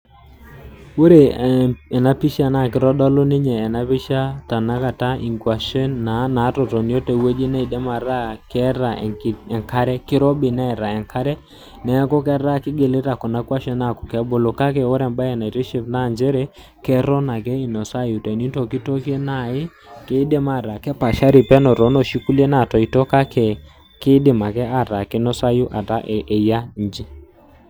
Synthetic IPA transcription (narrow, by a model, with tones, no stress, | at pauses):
wo˦ɾe˨ɛ˨na˦pi˦ʃa˨na˦˨kɪ˦ɾɔ˦dɔ˦lɔ˦nɪ˦ɲɛː˨na˦pɪ˦ʃa˦ta˨na˦ka˨ta˦ʔi˨ŋɡwa˨ʃɛ˦nːa˨na˨˦tɔ˨tɔ˨n˦o˦tɛ˨we˦d͡ʒi˦nɛ˦i˨dɛ˦ma˨ɾa˦kɛ˦ɾa̰˨ɛ˨ŋka˦ɾɛ˦kɪ˦ɾɔ˦bɪ˨nɛ˦˨ɾa˨ɛ˨ŋkʰa˦ɾɛ˦ | nɛ˨˦kɔ˦kɛ˦ɾa˦kɪ˦ɡe˨le˦ɾa˨kɔ˨na˦kwa˦ʃɛ˦na˦˨kʊ̥˨kɛ˦bo˦lo˨ka˦k̬ɛ˨ɔ˦ɾɛ˨mba˦jɛ˨na˨i˨ɾe˦ʃe˦˨vna˦˨ɲd͡ʒɛ˦ɾɛ˦ | kɛ˦ɾɔ˦na˨kɛ˦ɪ˨nɔ˨sa˦ju˨tɛ˨ni˦ntɔ˨kɪ˦to˦ke˦na˦˨ɪ˦ | kɪ˦dɪ˦ma˦˨ɾa˨kɛ˦pa˨ʃa˦ɾɪ˨pɛ˦nɔ˨ɾɔ˨˦nɔ˨ʃi˦ku˦lje˦na˦˨tɔ˨i˨tɔ˦ka˦kɛ˨ | kɪ˦dɪ˨ma˨kɛ˦a˨ɾa˨kɪ˦nɔ˦sa˦ju˦ʔa˨ta˦ʔʔe˨ja˦n˨d͡ʒi˦